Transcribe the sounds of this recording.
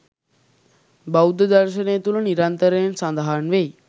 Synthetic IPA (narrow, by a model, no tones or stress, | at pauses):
bawd̪əd̪aɾʃənejət̪uləniɾant̪əɾejensand̪aɦanʋej